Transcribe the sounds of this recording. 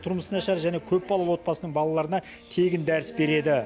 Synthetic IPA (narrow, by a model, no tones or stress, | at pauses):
t̪ʰʊɾməsənɑʃɑɾʒæne̞kʲʰɵp̚bɑlˠɑwo̞t̪̚pɑsənəɴbɑlˠɑlˠɑɾənɑ | t̪ʰe̞ɡʲɪnd̪æɾɪsbe̞ɾe̞d̪ɪ